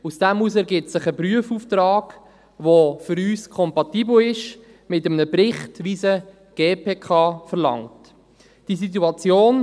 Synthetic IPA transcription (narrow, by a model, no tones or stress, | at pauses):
usd̥ɛmusɛɾɡɪp̚sɪχəpryəfuːftɾɑːɡ̥ | ʋofʏɾyːskʰɔmpɑtiːbl̩ɪʃ | mɪtəmənəprɪχtʋiːzə | ɡ̥eːpʰeːkʰɑːfəɾlɑ̰ŋt | d̥iːs̬it̬uɑt͡sjoːn